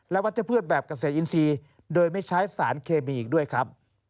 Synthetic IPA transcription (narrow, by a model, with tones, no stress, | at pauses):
lɛ˦˥wa˦˥t͡ɕa˨˩pʰɯː˥˩t̪̚bɛː˨˩p̚ka˧˩seː˨˩ʔi˧nsiː˧ | doː˧jma˥˩jt͡ɕʰa˦˥jsaː˩˦nkʰeː˧miː˧ʔiː˨˩k̚du˥˩əjkʰɾa˦˥p̚